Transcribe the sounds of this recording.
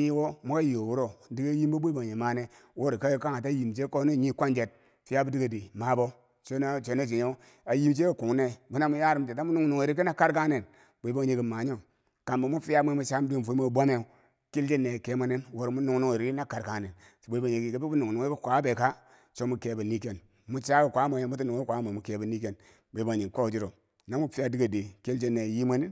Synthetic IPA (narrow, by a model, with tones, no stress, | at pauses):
ɲi˦wo˦mu˦ka˦jo˨wu˦ɾo˦di˦ɡe˦ji˦mbo˦bo˦i˦bo˨e˨ma˨ne˦wo˦ɾi˨ka˦jo˦ka˦ŋa˨ta˦ji˨mt͡ʃe˦ko˦ne˦˨ɲi˦kʷa˦nd͡ʒe˨t̚ | fi˦ja˦bu˦di˦ɡe˨di˨ma˨bo˦ | t͡ʃo˦na˦t͡ʃo˨no˦˨d͡ʒi˨ɲe˦ | a˨ji˦mt͡ʃe˦ko˦ku˨ŋ˦ne˦bu˦na˦mu˦ja˦ɾi˦m˨d͡ʒe˨ta˦mu˦nu˦ŋnu˨ŋ˨e˨ɾi˦ki˦na˦ka˦ɾka˦ne˨n | bo˨i˦bo˦ŋ˨ɲe˨ɡi˨ma˨ɲo˦˨ | ka˨mba˨mu˦fi˦a˦m˦e˦mu˨t͡ʃa˦m˦di˦˨fu˨˦mo˦˨bʷa˦ne˦˨ | ki˦ld͡ʒe˦nːe˨ke˦ma˦ni˦nwo˨ɾmu˦nu˦ŋnu˦ŋ˨ɾi˨˦na˦ka˨ɾka˨ne˨n˨ | bo˨˦bo˦˨e˨ɡi˨ki˦bi˦bu˦nu˨nu˨ŋ˦i˦kʷa˨˦be˨ka˦ | t͡ʃo˦mu˦ke˨˦bu˨ni˦ke˦n | mu˦t͡ʃa˦ku˨kʷa˨˦me˨mu˦ti˦nu˨ŋ˦kʷa˦mo˨mu˨ke˨˦bu˨ni˦k̬e˦n | bo˨i˦ba˨ɲi˨ko˦˨d͡ʒi˦ɾo˨ | na˦mu˦fi˦a˦di˦ɡa˨de˨ki˦ld͡ʒe˦nːe˨ji˦ma˦ni˦n